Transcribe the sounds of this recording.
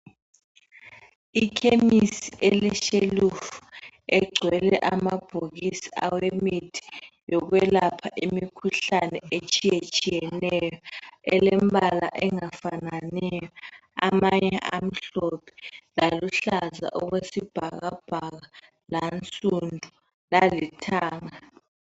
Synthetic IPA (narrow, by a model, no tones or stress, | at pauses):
ikʰemisiʔɛlɛʃelufu̥ | ɛɡ͡ǀʱwɛlɛʔamab̥ʱok̬isiawemitʰi̥ | jɔk̬wɛlapʰaʔimikʰuɬanɛet͡ʃʼijet͡ʃʼijɛnɛjɔɛ̰lɛmbʱala̰ʔɛŋafananɛjjɔ | a̰maɲɛʔam̩ɬɔpʰɛ̥laluɬaza̰ʔɔɣ̬wesib̥ʱaɣ̬ab̥ʱaɣ̬a | lant͡sʼundʱu | lalitʰaːŋa